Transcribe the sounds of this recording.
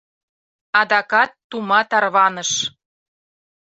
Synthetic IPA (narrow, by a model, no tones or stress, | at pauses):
ɑd̪ɑkɑt̪ːumɑt̪ɑrβɑnəʃ